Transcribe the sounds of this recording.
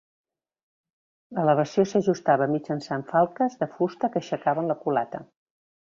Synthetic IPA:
lələβ̞əsiosəʒust̪aβəmid͡ʒənsaɱfalˠkəzðəfust̪əkəʃəkaβənləkula̰t̪ə

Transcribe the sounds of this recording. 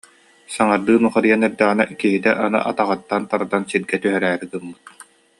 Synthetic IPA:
saŋaɾd̪ɯːnuχaɾɯjanɛɾd̪ɛʁinɛ̰kiɦit̪ɛʔanɯ̰ʔat̪aʁɯt̪ːant̪aɾad̪ansiɾɡɛt̪yɦœɾæːɾiɡ̪ɯmːɯt̪̚

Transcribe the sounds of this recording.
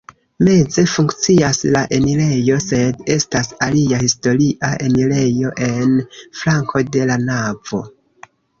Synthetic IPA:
me̞d͡ze̞fuŋkt͡siaslaʔe̞nile̞jo̞se̞de̞stasaliahisto̞ɾiʔaʔe̞nile̞jo̞ʔe̞nflaŋkʰo̞de̞lanav̥o̞̰

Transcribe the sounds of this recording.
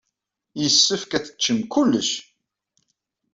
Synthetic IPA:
jəsːəfkæθə̥t͡ʃːəmkulːəʃ

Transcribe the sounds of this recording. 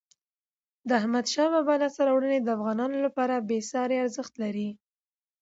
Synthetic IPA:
d̪əahmad̪ʃɑbabɑlasaɾɑwɽəned̪əafɣɑnɑnolapɑɾabesɑɾeaɾzəxt̪laɾi

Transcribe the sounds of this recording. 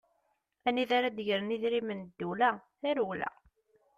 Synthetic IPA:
æniðaɾad̪əʝəɾniðɾimənd̪ːulæθæɾwlæ̰

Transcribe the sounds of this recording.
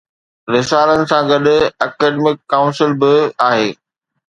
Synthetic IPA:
ɾɪsaːlənɪ̆sãɡɐɗʊɐkeːɖemɪkːaːʊ̃nsɪlbɪaːɦeː

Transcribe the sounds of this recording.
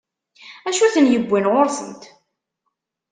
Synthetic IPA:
æʃuθənjəbʷːinʁoɾsə̰nt̪

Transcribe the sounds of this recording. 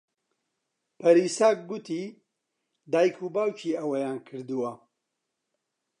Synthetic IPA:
pʰɐɾiːsaːk̚ɡut̪ʰiː | d̪aːjkʰubaːwt͡ʃʰiːɐwɐjaːnkʰɨɾd̪uwɐ

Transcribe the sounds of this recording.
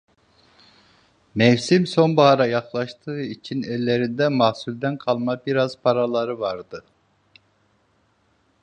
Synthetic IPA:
mɛwsimsonbɑhɑɾɑjɑχlˠɑʃt̪ʰɨit͡ʃʰinɛlːeɾind̪ɛmɑsulʲd̪ɛnqʰɑlˠmɑbiɾɑz̥pʰɑɾɑlˠɑɾɯvɑɾd̪ɯ

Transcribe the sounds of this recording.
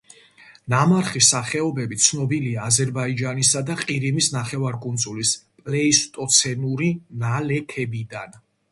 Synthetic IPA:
namaɾχisːaχɛɔbɛbit̪sʰnɔbiliaːzɛɾbaid͡ʒanisad̪aqʼiɾimisnaχɛvaɾkʼunzʼulispʼlɛist̪ʼɔt̪sʰɛnuɾinalɛkʰɛbid̪an

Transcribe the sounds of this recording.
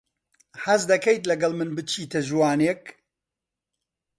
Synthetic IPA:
hɐzd̪ɐkejt̪lɐɡɐlˠmɨnbɨt͡ʃʰiːt̪ʰɐʒwaːnek

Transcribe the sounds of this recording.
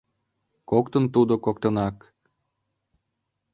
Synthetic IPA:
kokt̪ə̆nt̪ud̪okok̚t̪ɤ̆nɑk

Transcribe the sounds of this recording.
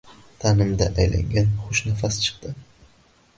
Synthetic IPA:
t̪ʰanɪmd̪aʔajla̰ŋɡʲanχʊʃnafast͡ʃʰɨ̥qd̪ɪ

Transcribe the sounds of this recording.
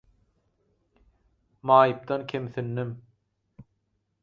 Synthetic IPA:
mɑːjɯp̚d̪ɑnkʲʰemθinːim

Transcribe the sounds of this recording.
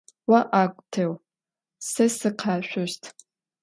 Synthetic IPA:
waʔakʷʼtʰew | sɐsɨqʰaːʃᶣʷʊʒtʰʼ

